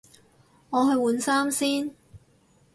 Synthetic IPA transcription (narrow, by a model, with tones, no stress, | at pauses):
ŋɔː˨˧ɦɵ˧ɥwuː˨˧nsaː˥msiː˥n